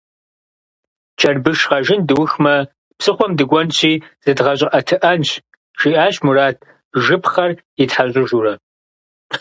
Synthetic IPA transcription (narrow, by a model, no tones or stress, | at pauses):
t͡ʃʰɐrbɨʂʁɐʒɨndɨwʊxmɐ | psɨχʷɔmdɨɡʷɔnɕʰiːz̥ɨdʁɐɕ̬ʼɪʔɐtʰɨʔɐnɕ | ʒ̥iːʔaːɕmuraːtʰ | ʒɨpʰχɐr | itħaɕʼɪʒuːrɐ